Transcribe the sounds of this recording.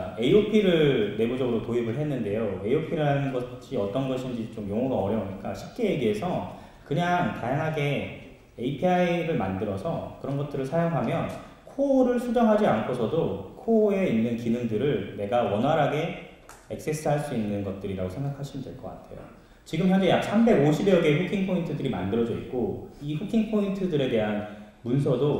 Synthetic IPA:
ae̞iopʰiɾɯɭːe̞bud͡ʑʌɡɯɾotoibɯɭɦenːɯnde̞joe̞iopʰiɾanɯnɡʌɕʰiʌt͈ʌnɡʌɕʰind͡ʑit͡ɕomjoŋʌɡaʌɾjʌoɲik͈aɕʰip̚k͈eje̞ɡiɦe̞sʰʌ | kɯɲaŋtajaŋɦaɡe̞ | eipʰiaiɾɯɭmandɯɾʌsʰʌkɯɾʌnɡʌt̚t͈ɯɾɯɭsʰajaŋɦamjʌn | kʰoɾɯɭsʰud͡ʑʌŋɦad͡ʑiankʰosʰʌdokʰoe̞inːɯnkinɯŋdɯɾɯɭne̞ɡawʌnɦwaɾɦaɡe̞ | ek̚s͈es͈ʰɯɦaɭs͈uinːɯnɡʌt̚t͈ɯɾiɾaɡosʰe̞ŋɡakʰaɕʰinɯndwe̞ɭk͈ʌk͈a̰tʰe̞̰jo̰ | t͡ɕiɡɯmɸjʌnd͡ʑejak̚sʰambe̞ɡoɕʰibjʌɡe̞ɸʰukʰiŋpʰointʰɯdɯɾima̰ndɯɾʌd͡ʑʌik͈oiɸukʰiŋpʰointʰɯdɯɾe̞de̞ɦanmunsʰʌdo

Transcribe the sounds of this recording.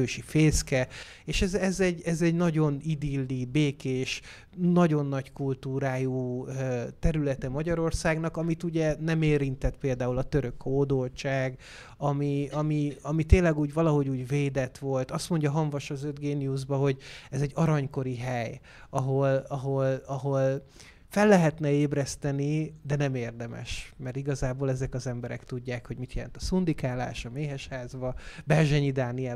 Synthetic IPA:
øːʃifeːskɛ | eːʃɛzɛzɛɟːɛzɛɟnɒɟo̞nid̪ilːibeːkeːʃ | nɒɟo̞nːɒɟkult̪uːɾaːjuːøt̪ɛɾylɛt̪ɛmɒɟɒɾo̞rsaːɡn̪ɒkɒmit̪uɟɛnɛmeːɾint̪ɛt̪peːld̪aːulɒt̪ø̞ɾø̞khoːd̪olt͡ʃaːɡ | ɒmiɒmiɒmit̪eːnlːɛɡuːɟvɒlɒɦo̞ɟuːɟveːd̪ɛt̪ʋo̞lt̪ɒst̪mo̞ɲɟɒɦɒɱvɒʃɒzød̪ɡeːnijuʒbɒɦo̞ɟɛzɛɟːɒɾɒɲko̞ɾiɦɛj | ɒɦo̞lɒɦo̞lɒɦol | fɛlːɛɦɛt̪nɛeːbɾɛst̪ɛnid̪ɛnɛmeːrd̪ɛmɛ̰ʃmɛrt̪iɡɒzaːboːlɛzɛkɒzɛmbɛɾɛ̰kt̪uɟːaːkho̞ɟmit̪jɛlɛ̰nt̪ɒsund̪ikaːla̰ːʃɒmeːɦɛʃhaːzbɒbɛrʒɛɲid̪aːniɛ

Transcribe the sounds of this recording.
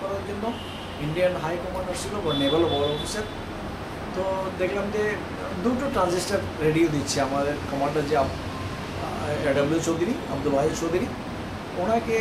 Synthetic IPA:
kɔɾaɾd͡ʒonːo | iɳɖijənɦajkɔmaɳɖəɾsiloʋənebəlɦɔlɔfisəɾ | t̪od̪ekʰlamd͡ʑe | d̪uʈoʈɾãnzisʈəɾ | ɾeɖiod̪it̪ːt͡ʃʰiamad̪eɾkɔmaɳɖəɾd͡ʑeab | ɖɐbljut͡ʃod̪ɾiɐbd̪ulbʱajit͡ʃod̪ʱɾi | on̤ake

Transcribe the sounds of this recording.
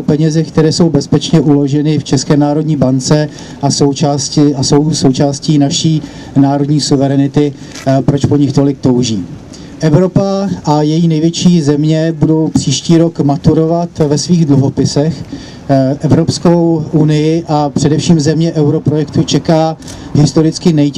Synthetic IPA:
pɛɲɛzɛk̚t̪ɛɾɛːso̞wbɛspɛt͡ʃɲɛʔulo̞ʒɛnɪft͡ʃɛskɛːnaːɾo̞dɲiːbant͡sɛ | ʔaso̞wt͡ʃaːscɪʔaso̞wso̞wt͡ʃaːsciːnaʃiː | naːɾodɲiːsuvɛɾɛnɪt̪ɪ | pɾot͡ʃpo̞ɲɪxt̪o̞lɪk̚t̪o̞wʒḭː | ʔɛvɾo̞paʔajɛjiːnɛjvjɛt͡ʃiːzɛmɲɛbudo̞wpr̥iːʃciːɾo̞kmat̪uɾo̞vat̪vɛsviːɣdluɦo̞pɪsɛx | ʔɛvɾo̞psko̞wʔunɪjɪʔapr̥ɛdɛfʃiːmzɛmɲɛʔɛwɾo̞pɾojɛkt̪ut͡ʃɛkaː | ɦɪst̪o̞ɾɪt͡skɪnɛj

